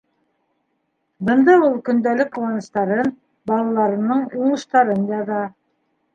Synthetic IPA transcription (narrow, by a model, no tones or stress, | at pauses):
bɤ̆nd̪ɑulˠkɵ̆nd̪ælɘk̚quwɑnɤ̆ʃt̪ɑɾɤn | bɑlˠɑlˠɑɾɤ̆nɤɴuɴɤ̆ʃt̪ɑɾɤnjɑðɑ